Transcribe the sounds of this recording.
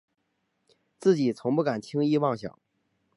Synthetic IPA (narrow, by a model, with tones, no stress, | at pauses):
t͡sɹ̩˥˩t͡ɕi˨˩t͡sʰʊ˧˥ŋpu˥˩ka˨˩nt̪ʰi˥ŋi˥˧wɑ˥˩ŋɕjɑ̰˨˩˦